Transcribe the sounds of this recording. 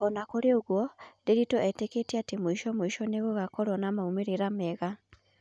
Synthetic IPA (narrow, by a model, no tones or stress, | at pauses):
ɔnakoɾeoɣwɔdeɾitoɛteketiɛatemoiʃɔmoiʃɔneɣoɣakɔɾɔnamaumeɾeɾamɛɣa